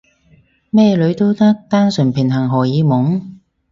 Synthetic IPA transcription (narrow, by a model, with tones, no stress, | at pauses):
mɛː˥lɵ˨˧ɥt̪o˥wt̪ɐ˥k̚t̪aː˥nsɵ˨˩npʰɪ˨˩ŋɦɐ˨˩ŋɦɔː˨˩jiː˨˧mʊ˨˥ŋ